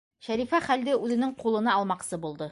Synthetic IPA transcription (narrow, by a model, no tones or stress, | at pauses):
ʃæɾifæχæld̪ɘʉðɘ̆nɘŋqulˠɤ̆nɑɒlˠmɑqsɤbulˠd̪ɤ